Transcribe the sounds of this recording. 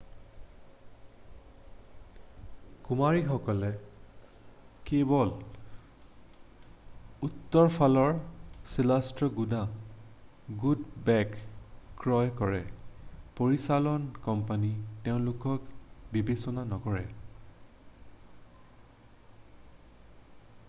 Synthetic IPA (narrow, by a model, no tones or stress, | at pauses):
kumaɹixɔkɔlɛ | kebɔl | utːɔɹpʰalɔɹsilastɹɔɡuda | ɡudbɛkkɹɔjkɔɹɛpoɹisalɔnkɔmpaniteʊ̃nlukɔkbibesɔnanɔkɔɹɛ